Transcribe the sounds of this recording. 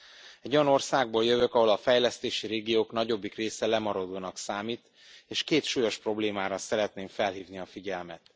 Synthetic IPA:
ɛɟo̞jɒno̞rsaːɡ̚boːljøvøkɒɦo̞lɒfɛjlɛst̪eːʃiɾeːɡijoːkn̪ɒɟo̞bːikreːsɛlɛmɒɾod̪oːnɒksaːmiːt̪ | eːʃkeːt̪ʃuːjo̞ʃpro̞bleːmaːɾɒsɛɾɛt̪neːɱfɛlɦiːvniɒfiɟɛlmɛt̪

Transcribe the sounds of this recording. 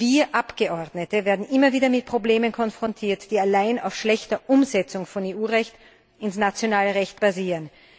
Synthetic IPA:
viːɐʔapɡ̥əʔɔɐdnətəvɛːɐdn̩ʔɪmɐviːdɐmɪt̚pʁ̥obleːmənkʰɔnfʁ̥ɔntʰiːɐtd̥iːalaɪna̰ʊfʃlɛçtɐʔʊmzɛt͡sʊŋfɔneːʔuːʁɛçt | ɪnsnat͡sjonaːləʁɛçt̚b̥aziːʁən

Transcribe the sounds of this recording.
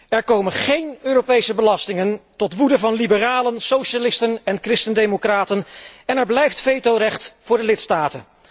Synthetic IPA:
ɛɹkowmənχejnøːrowpejsəbəlɑstɪŋəntɔtʋudəvɑnlibəraːlənsowʃalɪstənɛnkrɪstəndemokraːtənɛnɛɹblɛjftfejtowrɛχtfʊːɹdəlɪtstaːtən

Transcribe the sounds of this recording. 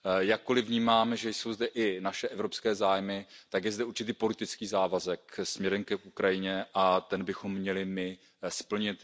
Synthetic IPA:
jakːolɪvɲiːmaːmʒɛjso̞wzd̪ɛʔɪnaʃɛʔɛvɾopskɛːzaːjmɪt̪aɡjɛzd̪ɛuɾt͡ʃɪt̪iːpo̞lɪt̪ɪt͡skiːzaːvazɛk̚smɲɛɾɛmkɛʔukɾajɪɲɛʔat̪ɛnbɪxo̞mːɲɛlɪmɪ | spl̩ɲɪt̪

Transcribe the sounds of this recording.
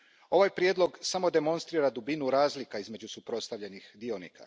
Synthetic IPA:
o̞ʋajpɾjed̪lˠo̞ɡsamo̞d̪e̞mo̞nst̪ɾiːɾad̪ubinuɾaːzlikaizme̞d͡ʑusupɾo̞t̪st̪aʋʎe̞nixd̪io̞nḭka̰

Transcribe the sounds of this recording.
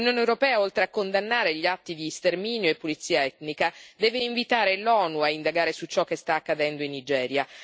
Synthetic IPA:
unjoːnewɾopɛːaolt̪ɾeakːond̪anːaːɾeʎːiat̪ːid̪ist̪ermiːnjoepːolit̪sːiːaɛt̪nikad̪ɛːveiɱvit̪aːɾelɔːnuaind̪aɡaːɾesut͡ʃɔkːest̪aːkːad̪ɛnd̪oinːid͡ʒɛːɾja

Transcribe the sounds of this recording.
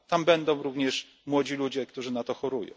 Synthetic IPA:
t̪ambɛnd̪ɔ̃w̃ɾuvɲɛʂ | mwɔd͡ʑilud͡ʑɛkt̪uʐɘnat̪ɔxɔɾujɔ̰̃w

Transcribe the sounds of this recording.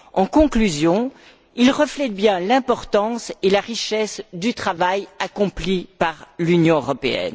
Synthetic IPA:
ɑ̃kɔ̃klyzjɔ̃ | ilʁəflɛt̪̚bjɛ̃lɛ̃pɔʁt̪ɑ̃selaʁiʃɛsd̪yt̪χavajakɔ̃plipaʁlynjɔ̃øʁɔpeɛ̰n

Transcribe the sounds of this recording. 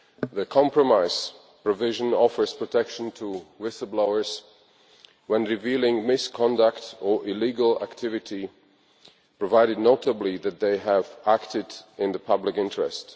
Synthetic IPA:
ðɨkʰɑ̃mpɹɔmaɪz̥ | pɹɔvɪʒə̃nɔfə˞z̥pʰɹ̥ɔtʰɛkʃə̃n̩tʰəwɪsəbloʊə˞z̥ | wɛ̃nɹɪvilˠɪ̃ŋmɪskʰɑ̃ndəktə˞ʔɪliɡəlˠæ̰ktʰɪvɨti | pɹɔvaɪɾɨdⁿnoʊtəbliðɨt̪̚ðeɪəvæktɪdɪ̃nðəpʰʌblɪkɪ̃ntɹɛ̰st

